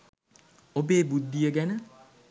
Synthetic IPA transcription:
obeːbud̪ːijəɡænə

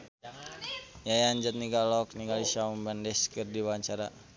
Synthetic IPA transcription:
jajaɲd͡ʒat̪̚niɡalɔk̚niɡalisaumbandɛskɨrdiwaɲt͡ʃaɾa

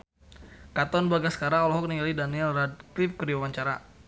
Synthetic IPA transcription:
kat̪ɔnbaɡasə̥kaɾaŋɔlɔɦɔk̚niŋalidaniɛlrad̚klifkəɾiwewaɲt͡ʃaɾa

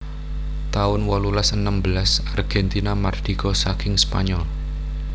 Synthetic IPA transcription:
t̪aʊnwɔlulasənəmbəlasarɡ̥ɛnt̪inamard̪̥iɡ̥ɔsakɪŋspa̰ɲɔl

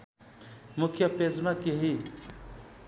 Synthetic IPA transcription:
mʊkʰjʌpezmãkeɦi

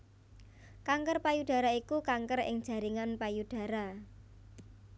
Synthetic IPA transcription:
kaŋkərpajud̥a̤ɾaikukaŋkəɾɪ̰ŋd̥ʒ̥a̤ɾiŋanpajud̥a̤ɾa

